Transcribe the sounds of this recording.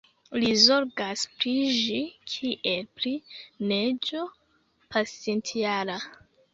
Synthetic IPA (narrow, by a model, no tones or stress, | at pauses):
lizo̞ɾɡaspɾiʒikʰiʔelpɾined͡ʒo | pʰasentʰiala